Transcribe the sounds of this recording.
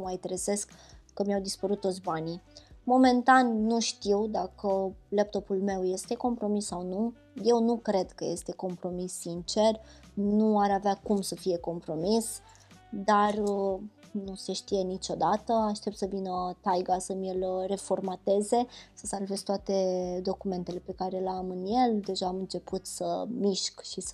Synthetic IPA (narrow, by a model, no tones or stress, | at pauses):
majt̪ɾeze̞skːəmʲijawd̪ispəɾut̪ːosʲbanimo̞me̞nt̪anːuʃt̪iwd̪akəlep̚t̪o̞pulme̞wje̞st̪e̞ko̞mpɾo̞misːawnu | je̞wnukɾe̞d̪kəje̞st̪e̞ko̞mpɾo̞misːint͡ʃe̞r | nnuaɾaveakumsəfije̞ko̞mpɾo̞mis | d̪ar | nuse̞ʃt̪ije̞nit͡ʃo̞d̪at̪əaʃt̪e̞p̚t̪səvinət̪ajɡasəmʲelre̞fo̞rmat̪e̞ze̞səsalve̞sʲt̪oat̪e̞d̪o̞kume̞nt̪e̞le̞pe̞kaɾe̞lamɨnje̞ld̪e̞ʒaːmɨnt͡ʃe̞put̪sə̰miʃkʃis